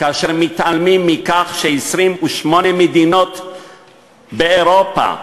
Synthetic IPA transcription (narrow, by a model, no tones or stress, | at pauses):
kaaʃeʁmit̪almimːikaχʃeisʁimuʃmo̞nemed̪ino̞t̪ | beeʁopa̰